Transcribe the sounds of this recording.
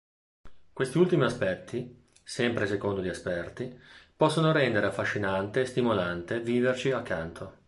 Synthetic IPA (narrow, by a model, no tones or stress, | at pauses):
kwest̪iult̪imiaspɛt̪ʰːi | sɛmpɾesekond̪oʎiespɛrt̪ipɔsːonoɾɛnd̪eɾeafːaʃːinant̪eːst̪imolant̪eviːvert͡ʃiakʰːant̪ʰo